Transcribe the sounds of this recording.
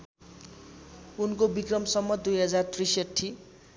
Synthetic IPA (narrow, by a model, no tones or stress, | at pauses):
unkobikrʌmsʌmːʌd̪ujɦʌd͡zart̪risʌʈʰːi